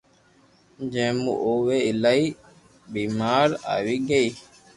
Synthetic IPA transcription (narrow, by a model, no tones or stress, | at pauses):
d͡ʒẽːmṵʔoːʋeːɪlaːiː | biːmaːɾa̰ːʋiːɡəiː